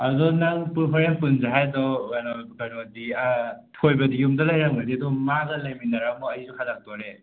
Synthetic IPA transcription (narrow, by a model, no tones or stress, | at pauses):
adɔnaŋpuɾpʰɔɾen̚punzaɦajdɔanɔɡanɔdiatʰojbɐdijumdɐlajɾaŋadidɔmaɡɐlajminaɾamɔajzuhʰadak̚tɔɾe